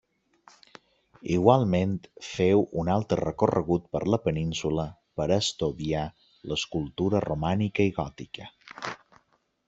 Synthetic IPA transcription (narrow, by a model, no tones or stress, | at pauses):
iɣwalˠment̪fewunalˠt̪ɾərəkurə̰ɣ̞ut̪̚pəɾləpəninsuləpəɾəst̪uðia | ləskulˠt̪uɾərumanikəiɣɔt̪ikə